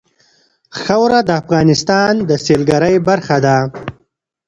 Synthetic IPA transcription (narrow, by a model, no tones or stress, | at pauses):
xawɾad̪əːfɣɑːnɪst̪ɑːnd̪əselɡaɾəjbaɾxad̪a